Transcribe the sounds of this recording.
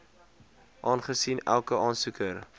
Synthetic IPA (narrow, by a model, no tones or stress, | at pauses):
ʔɑːnχəsinælˠkəɑːnsukər